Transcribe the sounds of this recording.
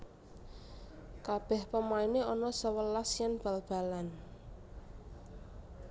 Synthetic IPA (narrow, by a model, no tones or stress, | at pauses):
kab̥ɛ̤hpəmaineɔnɔsəwəlasjanb̥a̤lb̥a̤lan